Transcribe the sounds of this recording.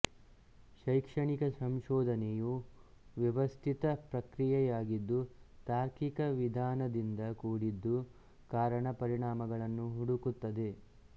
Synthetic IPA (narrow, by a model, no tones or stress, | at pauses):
ʃɐjkʂɐɳikɐsɐmʃɔːd̪ʱɐneju | ʋjɐʋɐst̪ʰit̪ɐpɾɐkɾijɛjaːɡid̪ːut̪aːɾkikɐʋid̪ʱaːnɐd̪ind̪ɐkuːɽid̪ːu | kaːɾɐɳɐpɐɾiɳaːmɐɡɐɭɐnːuɦuɽukut̪ːɐd̪e̞